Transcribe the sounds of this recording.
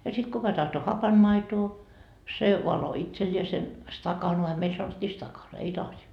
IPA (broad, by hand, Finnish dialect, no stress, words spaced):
jɑ sit kukɑ tɑhto hɑpɑnmɑitoː se ʋɑlo itselʲːiesen stɑkɑnoɑ meil sɑnotːiː stɑkɑn ei lɑsi